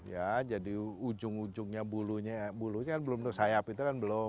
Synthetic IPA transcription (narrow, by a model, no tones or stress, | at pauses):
jad͡ʒadiud͡ʒʊŋud͡ʒʊŋɲabuluɲabuluɲakanbəlʊmd̪ʊsajapit̪̬ukanbəlʊ